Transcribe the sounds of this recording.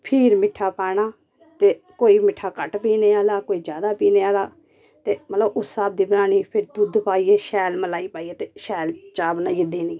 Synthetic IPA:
pʰiːɾmɪʈʰːaːpaːɽ̃aː | t̪eːkoːiːmɪʈʰːaːkəʈpiːneːaːlaːkoːiːd͡ʒjaːd̪aːpiːneːaːlaː | t̪eːmət̪ləbʊsːaːb̚d̪iːbɾaːñiːpʰɪɾd̪ud̪paːiːeːʃɛːlməlaːiːpaːiːeːt̪eːʃɛːlt͡ʃaːbnaːjɪd̪eːnĩː

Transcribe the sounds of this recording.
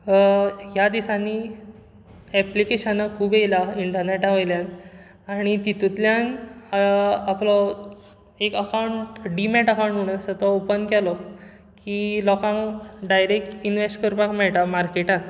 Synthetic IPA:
jad̪isanːi | ɛplikeɕanːakʰuːbejlaiɳʈəɾneʈaʋəjljãn | aɽ̃it̪it̪ut̪ljan | aplɔ | ekəkawuɳʈɖimɛʈəkawɳʈɦuɽ̃əsət̪ɔopənkɛlɔ | kiːlɔkãŋɖajɾek̚ʈinʋesʈkəɾpakmɛɭʈ̪amaɾkeʈãn

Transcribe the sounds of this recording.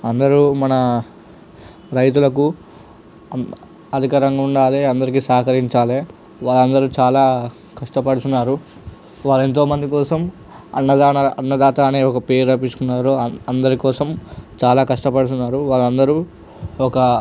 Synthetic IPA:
ɐnd̪ɐɾumɐnɐ | ɾɐjt̪̬ulɐk̬u | ɐd̪ʱikaːɾɐŋɡauɳɖaːleɐnd̪ɐɾik̬isaːkɐɾiɲt͡ʃaːleː | ʋaːɭɐnd̪ɐɾut͡ʃaːlaː | kɐʂʈɐpɐɽut̪unːaːɾu | ʋaːɭe̞nt̪̬o̞ːmɐnd̪ikɔːsɐm | ɐ̰nːɐd̪aːnɐɐnːɐd̪aːt̪aːneːɔkɐpeːɾɐp̬isu̥kunːaːɾoɐnd̪ɐɾikɔːsɐmt͡ʃaːlaːkɐʂʈɐpɐɽut̪̬unːaːɾuʋaːɭɐnd̪ɐɾu | ɔkɐ

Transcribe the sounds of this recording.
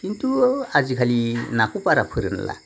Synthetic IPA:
kint̪uad͡ʒikʰalinakupaɾapʰəɾənla̰

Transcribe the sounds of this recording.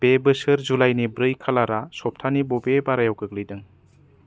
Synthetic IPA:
b̥ebɯsɯɾzulajnibɾɯjkʰalaɾasɔp̚tʰanibɔbebaɾajawkɯk̚lɯjdɯŋ

